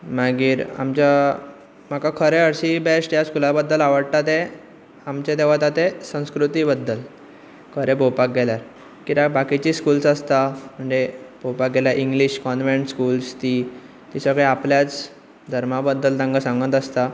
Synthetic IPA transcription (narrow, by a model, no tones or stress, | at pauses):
maɡiːɾa̰mt͡ɕja | m̤akakʰəɾeəɾɕibesʈjaskulabəd̪ːəlaʋəɽt̪at̪e | amt͡ɕet̪̬eʋat̪at̪esə̃w̃skɾut̪iːbəd̪ːəl | kʰəɾebʱowpak̚ɡʱɛljaɾ | kit̪abakit͡ɕiːskulsəst̪am̤əɳd͡zebʱowpak̚ɡɛljaɾʔiŋɡliɕkɔnʋẽɳʈskuːlst̪iː | t̪isəɡɭeapljat͡s | d̪ʱəɾmabəd̪ːəlt̪ãŋɡəsãŋɡət̪əst̪a